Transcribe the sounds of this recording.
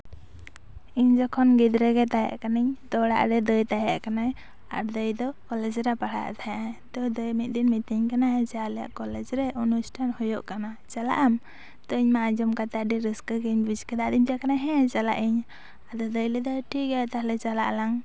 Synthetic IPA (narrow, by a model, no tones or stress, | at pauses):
iɲd͡ʒɔkʰɔnɡid̪ɾɛɡɛt̪aja̰ʔkaniɲt̪ɔɽa̰ʔɾɛd̪əjt̪ajaʔkanaj | a̰ɾd̪əjd̪ɔkɔlɛd͡ʒɾapaɽa̰ʔt̪aɦat̪ɔd̪əjmit̪̚d̪inmit̪iɲkanad͡ʒaalɛja̰ʔkɔlɛd͡ʒɾɛʔunusʈʰanhɔjɔʔkanat͡ʃala̰ʔam | t̪ɔiɲmaʔad͡ʒɔmkat̪aɖiɾiskəɡɛɲbid͡ʒkɛd̪aʔd̪imd͡ʒakanajɦɛ̃t͡ʃala̰ʔiɲ | ad̪ɔd̪əjlɛd̪ɔʈʰikɛt̪ahlɛt͡ʃala̰ʔlaŋ